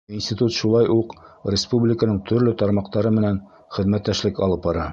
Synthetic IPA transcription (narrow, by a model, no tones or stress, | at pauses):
insʲt̪ʲit̪ut̪ʃulˠɑjʔuqrʲɪspublʲɪkənɤɴt̪ʰɵ̆ɾlɵt̪ɒɾmɑqt̪ɑɾɤmɘ̆næn | χɘ̆ðmæt̪ːæʃlɘkɒlˠɤp̚bɒɾɑ